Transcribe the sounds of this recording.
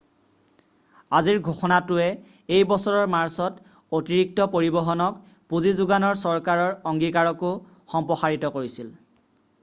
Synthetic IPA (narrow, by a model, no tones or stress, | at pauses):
aziɹɡʱoxɔnatʊɛ | ejbɔsɔɹɔɹmaɹsɔt | otiɹik̚tɔpoɹibɔɦɔnɔk | puzizʊɡanɔɹsɔɹkaɹɔɹɔŋɡikaɹɔkʊ | xɔmpɹɔxaɹitɔkoɹisil